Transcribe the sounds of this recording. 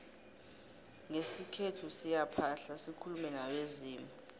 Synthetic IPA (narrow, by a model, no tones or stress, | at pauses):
ŋesikʰetʰusijapʰaɬasikʰulumɛnaweziːmu